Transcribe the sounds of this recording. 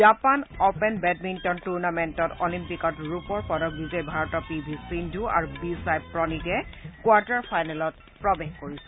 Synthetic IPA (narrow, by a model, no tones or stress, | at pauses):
d͡ʒapanɔpɛnbɛd̚mintɔntuɹnamɛntɔtɔlimpikɔtɹupɔɹpɔdɔk̚bizɔjbʱaɹɔtɔpibʱisindʱua̰ɹubisajbpɹɔnikɛkwaɹtaɹpʰajnɛlɔt | pɹɔbexkoɹisɛ